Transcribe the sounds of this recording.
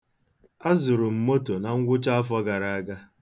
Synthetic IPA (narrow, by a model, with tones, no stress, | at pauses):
a˦zʊ˨ɾʊ˨m̩˨mo˦to˨na˨ŋ̩˦ɡʷʊ˦t͡ʃa˦a˦fɔ˦ɡa˨ɾa˨a˦ɡa˦